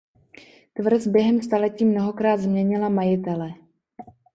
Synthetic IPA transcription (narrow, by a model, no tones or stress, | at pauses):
t̪vr̩sbjɛɦɛmst̪alɛciːmno̞ɦo̞kɾaːd̪zmɲɛɲɪlamajɪt̪ɛlɛ